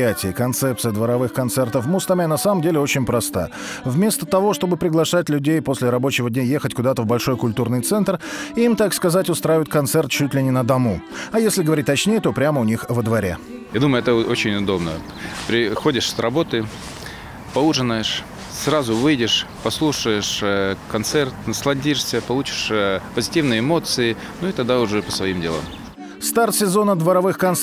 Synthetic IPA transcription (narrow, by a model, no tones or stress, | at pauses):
atʲɪːkɐnt̪sɛp̚t̪sɨjəd̪vəɾɐvɨxkɐnt̪sɛrt̪əfmust̪amanɐsaməmdʲelʲɪot͡ɕɪnʲpɾɐst̪a̰ | vmʲe̞st̪ət̪ɐvo̞ʂt̪o̞bɨpɾʲɪɡlˠɐʂatʲlʲʉdʲejpo̞sʲlʲɪɾɐbo̞t͡ɕɪvədʲnʲajexətʲkʊd̪at̪əvbɐlʲʂo̞jkʊlʲt̪urnɨjt̪sɛnt̪rɪimt̪akskɐzatʲʊst̪ɾajɪvʊt̪kɐnt̪sɛrt̪̚t͡ɕutʲlʲɪnʲɪnəd̪ɐmuɐjesʲlʲɪɡəvɐɾʲit̚ʲt̪ɐt͡ɕnʲejət̪o̞pɾʲaməʊnʲixvəd̪vɐɾʲḛ | jad̪uməjʊɛt̪əot͡ɕɪnʲʊd̪o̞bnə̰ | pɾʲɪxodʲɪʂsrɐbo̞t̪ɨ | pɐuʐɨnəjɪʂ | srazʊvɨjdʲɪʂpɐslˠuʂəjɪʂkɐnt̪sɛrt̪nəslˠɐdʲiʂsʲəpɐlˠut͡ɕɪ̥ʂpəzʲɪtʲivnɨjəɪmo̞t̪sɨɪ | nuit̪ɐɡ̚d̪aʊʐɛpəsvɐimdʲɪlˠa̰m | st̪art̪sʲɪzo̞nəd̪vəɾɐvɨxkɐns